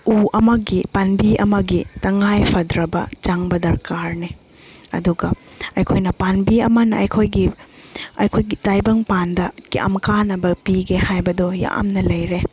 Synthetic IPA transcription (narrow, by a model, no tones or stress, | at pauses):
uɐmɐɡipanbiɐ̰mɐɡitɐŋajpʰɐdɾɐbɐ̰t͡ʃaŋbɐdɐɾkaɾni | ɐ̰duɡɐɐjkʰojnɐpanbiɐmɐnɐɐjkʰojɡi | ɐjkʰojɡitajbɐŋpandɐkiʔɐ̰mkanɐbɐpiɡehajbɐdoja̰ʔɐ̰mnɐlɐjɾe